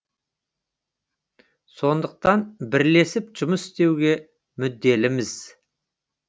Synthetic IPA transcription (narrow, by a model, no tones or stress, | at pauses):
so̞nd̪əq̚t̪ɑnbɪɾle̞sɪpʒ̥ʊməsɪ̥st̪e̞wɡʲe̞ | mʏd̪ːe̞lɪmɪz̥